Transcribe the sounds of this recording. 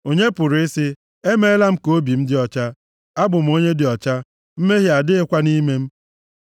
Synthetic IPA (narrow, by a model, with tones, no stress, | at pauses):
o˨ɲe˦pʊ˨ɾɪ˨ɪ˦sɪ˦ | e˦me˦la˦m̩˦ko˦bi˨m̩˦dɪ˦ɔ˨t͡ʃa˦ | a˦bʊ˨m̩˨o˦ɲe˦dɪ˨ɔ˨t͡ʃa˦ | m̩˦me˦ɦi˦˨a˨dɪ˦ɪ˦kʷa˦ni˦me˦m̩˦